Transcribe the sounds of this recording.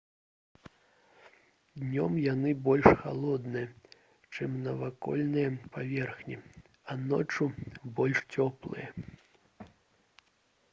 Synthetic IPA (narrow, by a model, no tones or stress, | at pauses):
d̪nʲɔmjanɨbɔlʲʂxa̰lˠɔd̪nɨjɐ | t͡ʂɨmnɐvakɔ̰lʲnɨjɐpavʲɛrxnʲi | ɐnɔ̰t͡ʂubɔlʲʂt͡sʲɔplˠɨ̰jɐ